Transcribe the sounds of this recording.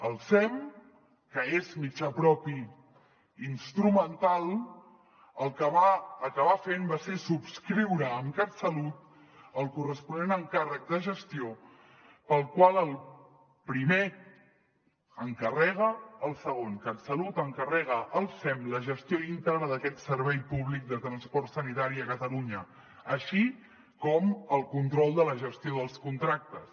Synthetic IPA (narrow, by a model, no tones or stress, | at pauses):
əlˠsɛm | kəezmit͡ʃapɾɔpi | inst̪ɾumənt̪alˠ | əlˠkəβaəkəβafembasesupskɾiwɾəːmkasəlut̪ | əlˠkurəspunenəŋkarək̚d̪əʒəst̪io | pəlˠkwalˠəlˠ | pɾime | əŋkərɛɣ̞əːlˠsəɣ̞onkat̪səlut̪əŋkərɛɣəʔəlˠsɛmləʒəst̪joint̪ɛrnəðəkɛt̪səɾβɛjpuβlik̚d̪ət̪ɾənspɔrt̪sənit̪aɾiəkət̪əluɲə | əʃi | kɔməlˠkunt̪ɾɔlˠd̪ələʒəst̪ioðəlˠskunt̪ɾak̚t̪əs